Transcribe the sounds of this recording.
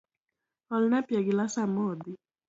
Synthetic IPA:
ɔlnapjaɡilasamɔd̪i

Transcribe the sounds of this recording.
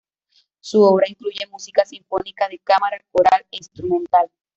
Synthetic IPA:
suoβɾaiŋkluʝe̞musikasiɱfonikaðekamaɾakoɾalinst̪ɾumẽnt̪al

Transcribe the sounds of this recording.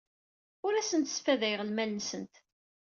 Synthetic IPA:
ʊɾæsənt̪sfæðæjʁəlmælnsənt̪

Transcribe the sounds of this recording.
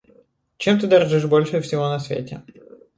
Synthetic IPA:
t͡ɕemt̪ɨd̪ɐrʐɨʂbolʲʂɨfsʲɪvonɐsvʲḛtʲɪ̰

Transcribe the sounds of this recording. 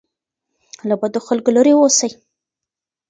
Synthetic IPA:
labad̪oxalkolaɾewosaj

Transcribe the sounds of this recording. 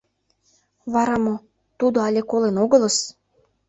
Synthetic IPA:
βɑɾɑmo | t̪ud̪oɑlʲekolenoɣə̆lɤ̆s

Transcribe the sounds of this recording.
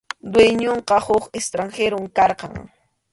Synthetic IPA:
d̪wejɲoɴqɑhʊkest̪ɾaŋxeɾomkɑɾqɑ̰ŋ

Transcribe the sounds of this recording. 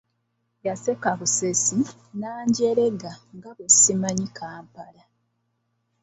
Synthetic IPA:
jase̞kaβusesi | naːɲɟeɾe̞ɡaŋɡaβesimaɲikaːmpala

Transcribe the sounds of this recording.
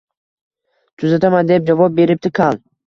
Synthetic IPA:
t̪ʰʊzat̪ʰamand̪ep̚d͡ʒavɒp̚be̞ɾɪp̚t̪ɪkʰalˠ

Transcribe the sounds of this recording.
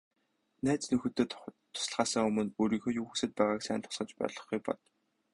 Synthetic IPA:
næːt͡snɵxɵ̆t̪eːt̪t̪ʰːʊ̥s̆ɮʁaːsə̆ŋɵmɵ̆noːɾiːŋxoːjuːxusɘ̆t̪̚pæːʁaːksæːnt̪ʰʊ̥sɢə̆t͡ɕpɔ̰ːɮɞ̆χɡuj̚pɔ̰t̪

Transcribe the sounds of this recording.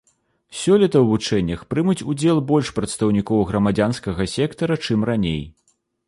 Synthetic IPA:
sʲɔlʲɛt̪ɐwvut͡ʂɛnʲːɐxpɾɨmut͡sʲud͡zʲɛlˠbɔlʲʂpɾɐt̪st̪ɐwnʲikɔwɣɾɐmad͡zʲanskɐɣɐsʲɛkt̪ɐɾɐt͡ʂɨmranʲej

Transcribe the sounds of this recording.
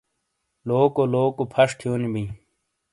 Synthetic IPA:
loːkoloːkopʰɐʂʈʰijuːnibĩ

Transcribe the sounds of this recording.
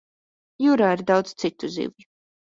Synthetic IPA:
juɾaːiɾd̪awd̪z̥t̪sit̪uzḭw

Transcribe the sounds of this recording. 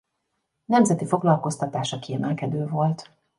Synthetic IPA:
nɛmzɛt̪ifo̞ɡlɒlko̞st̪ɒt̪aːʃɒkiɛmɛlkɛd̪øːvo̞lt̪

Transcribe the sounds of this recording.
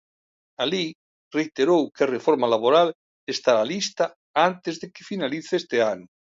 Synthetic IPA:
ali | rejt̪eɾowkarefoɾmalaβoɾal | est̪aalist̪a | ant̪ezðekefinaliθest̪eanu

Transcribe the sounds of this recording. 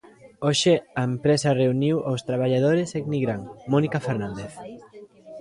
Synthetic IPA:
oʃeaempɾesareuniwʔawst̪ɾaβ̞aʎað̞oɾeseɡniɣɾaŋmɔnikafeɾnãnd̪eθ

